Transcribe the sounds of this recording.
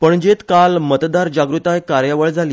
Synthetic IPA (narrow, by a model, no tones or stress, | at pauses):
pəɳd͡ʑet̪kalmət̪d̪aɾd͡ʑaɡɾut̪ajkaɾjaʋəɭd͡zʱaliː